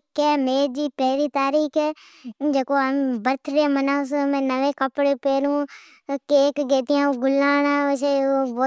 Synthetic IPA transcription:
kɛːmeːɾd͡ʒiːpɛɦɾiːt̪aːɾiːkʰɛː | d͡ʒeːkoːambəɾt̪ʰɾẽːmənaːs̬mɛ̃ːnəʋẽːkəpɽeːpeːɾũː | keːkɡeːt̪ɪjãːɡʊlaːnãːʋət͡ʃeːʋoː

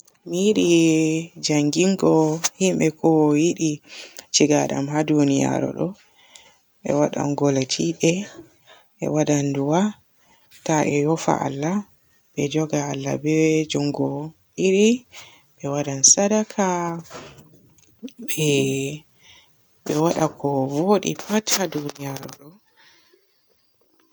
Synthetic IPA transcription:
miiɗi | d͡ʒaŋɡiŋɡɔhimɓɛkʰɔwjiɗit͡ʃiɡaɗa̰mɦadunija̰ɾɔ̰ɗɔ | ɓɛ̰waɗa̰nɡɔlatʰiɓɛ | ʔɛ̰waɗanduwa | taʔɛjɔfa̰ʔa̰lːa | bɛd͡ʒɔɡaːlːa̰bɛd͡ʒɔŋɡɔ | ʔiɾi | ɓɛwaɗansadakʰa | ɛ | ɓɛwaɗakʰɔvoɗḭpathadunijaɾɔɗɔ

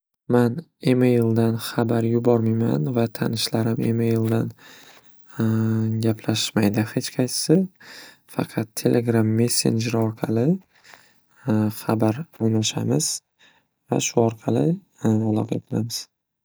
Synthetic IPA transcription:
manemajlˠd̪anχabaɾjʊbɒɾmajma̰nvat̪ʰanɪʃlaɾɪmḛmejlˠd̪an | ɡʲapʰlaʃmajd̪ɪhe̞t͡ʃqʰɑt͡ʃʰɪ̥sɪ | fɑ̰qʰɑt̪ʰːe̞lʔeɡɾamːe̞sːe̞̰nd͡ʒeɾɒɾqʰɑlɪ | χabaɾɒnaʃamɪz̥ | va̰ʃʊɒɾqʰɑlɪ | alˠɒqʰɑ̰t̪ʰɨlamɪz̥

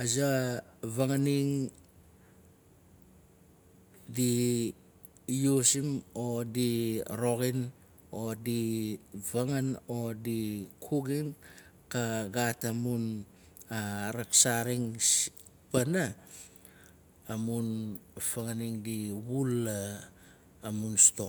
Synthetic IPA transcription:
azavaŋaniŋ | di | jusimodiɾoɡin | odivaŋano̞dikʰuɡinkaɡatamun | aɾaksaɾiŋs | pana | munfaŋaniŋdiβulaː | munsto̞

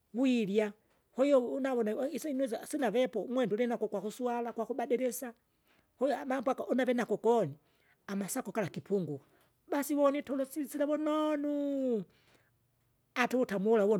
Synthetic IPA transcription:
wuilja | hɔjɔunaβɔnaisinzasinavɛpɔmwɛndulɛnakɔkwakusualakwakubadɛɾɛsa | hɔjɔamambwakaʔunavɛnakɔkɔni | amasakɔkalakipʰuŋɡu | basiwɔnitɔlɔsisilaβɔnɔnu | atuwutamulawɔ

